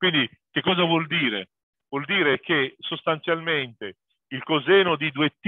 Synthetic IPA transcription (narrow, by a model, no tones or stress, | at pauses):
kwind̪i | k̟ekːɔːzavwɔld̪iːɾe | vwɔld̪iːɾekesost̪ant̪sjalment̪e | ilkozɛːnod̪id̪uet̪ː